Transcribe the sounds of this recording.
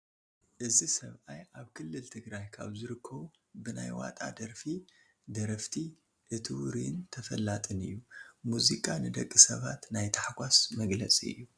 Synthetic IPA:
ʔɨzisɐβʔajʔaβkʰɨlːɨlt̪ʰɨɡɾajkʰa̰βzɨɾɨkʰːɐβu | bɨnajwa̰t̪ʼa̰d̪ɐɾfi | d̪ɐɾɐft̪ʰi | ʔɨt̪ʰɨwuɾint̪ʰɐfɐlːat̪ʼɨnɨ̰jːumuzikʼanɨd̪ɐkʼːisɐβat̪najt̪ʰaħɡʷasmɐɡlɐt͡sʼiɨ̰jːu

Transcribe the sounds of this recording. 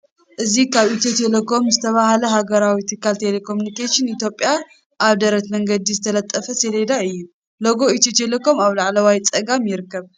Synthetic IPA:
ʔɨzikʰaβʔit̪ʰjot̪ʰelekʰo̞mzɨt̪ʰɐβahalɐɦaɡɐɾawit̪ʰɨkʰːalt̪ʰelekʰo̞mjunikeʃɨnit̪ʰjo̞pʼːja | ʔaβd̪ɐɾɐt̪mɐŋɡɐd̪izɨt̪ʰɐlɐt̪ʼːɐfɐseled̪aɨjːu | loɡo̞it̪ʰot̪ʰelekʰo̞maβlaʕlɐwajt͡sʼɐɡamjɪɾɨkʰːɐβ

